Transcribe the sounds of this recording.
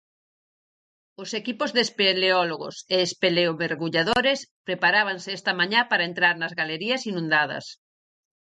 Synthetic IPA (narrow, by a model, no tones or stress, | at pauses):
ʊsekipozðespeleɔloɣo̰seːspeleoβeɾɣuʎaðoɾespɾepaɾaβ̞aŋsɪɛst̪ɐmaɲapaɾɐent̪ɾaɾnɐzɣaleɾiɐsinũnd̪að̞ɐ̰s